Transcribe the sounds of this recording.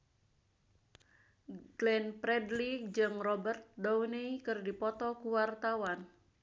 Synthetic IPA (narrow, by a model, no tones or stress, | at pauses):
ɡ̥lɛnpɾɛdlik̚d͡ʒɨŋrɔbərt̪̚downeikɨrdipɔt̪ɔkuwart̪awan